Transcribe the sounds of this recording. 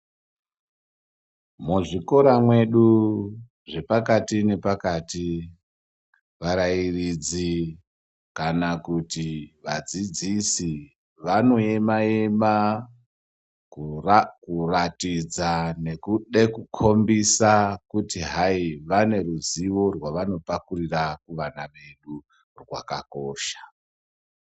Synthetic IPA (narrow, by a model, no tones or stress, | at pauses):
muʐiko̞ɾamwe̞ɗu | ʐe̞pakatine̞pakati | ʋaɾairid͡zi | kanakutiʋad͡zid͡zisi | ʋano̞e̞maema | kkuratid͡zane̞kuɗekukʰo̞mbisakutiɦaiʋane̞ruziʋo̞rwaʋano̞pakurirakuʋanaʋe̞ɗu | rwa̰ka̰ko̞ːʃḁ